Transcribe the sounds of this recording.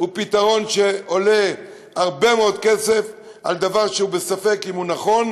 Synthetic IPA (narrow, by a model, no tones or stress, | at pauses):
upit̪aʁo̞nʃe̞o̞le̞ | aʁbe̞meo̞d̪̚ke̞se̞f | ald̪avaʁʃeubesafe̞kimunaχo̞n